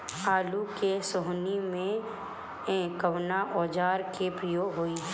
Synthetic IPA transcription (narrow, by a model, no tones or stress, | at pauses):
aːlukesoɦnimẽ | ẽkəʋnaʔɔːd͡ʒaːɾkepɾɪjoːɡɦoi